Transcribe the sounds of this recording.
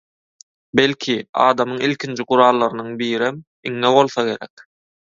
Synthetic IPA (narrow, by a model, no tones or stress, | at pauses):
belʲkʲʰiɑ̰ːd̪ɑmɯŋilʲkʰʲind͡ʒiɢuɾɑːlˠːɑɾɯnɯŋbiːɾem | iŋːeβo̞lˠθɑɡe̞ɾḛk